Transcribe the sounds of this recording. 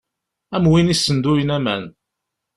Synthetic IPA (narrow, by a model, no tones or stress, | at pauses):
æmwinisːənd̪ujənæmæn